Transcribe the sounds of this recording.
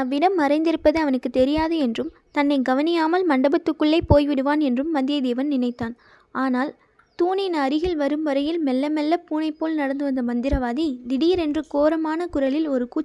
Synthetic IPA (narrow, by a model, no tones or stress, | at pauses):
aʋɪɽɐmːɐrɐɪnd̪ɪɾɯpːɐðɐɐʋɐnɯkːɯt̪ːɛɾɪjaːðɯɛndrɯm | t̪ɐnːɐɪɡɐʋɐnɪjaːmɐlmɐɳɖɐbɐt̪ːɯkːɯɭːɐɪpoːjʋɪɽɯʋaːnɛndrɯmːɐnd̪ɪjɐd̪eːʋɐnnɪnɐɪt̪ːaːn | aːnaːl | t̪uːnɪnɐɾɪɣɪlʋɐɾɯmʋɐɾɐjɪlmɛlːɐmɛlːɐpuːnɐɪpːoːlnɐɽɐnd̪ɯʋɐnd̪ɐmɐnd̪ɪɾɐʋaːðid̪ɪɽijɪɾɛndrɯkoːɾɐmaːnɐkʊɾɐlɪlɔɾɯkuː